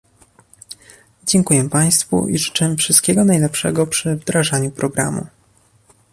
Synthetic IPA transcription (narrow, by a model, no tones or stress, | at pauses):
d͡ʑɛŋkujɛpaj̃st̪fṵʔḭʐɘ̥t͡ʂɛfʂɘst̪̚kʲɛɡɔnajlɛpʂɛ̰ɡɔpʂɘvd̪ɾaʐaɲupɾɔɡɾa̰mṵ